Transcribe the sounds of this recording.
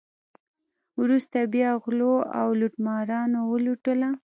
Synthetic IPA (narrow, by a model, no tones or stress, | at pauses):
wɾust̪abjɑɣloawluʈmɑɾɑnowəluʈəla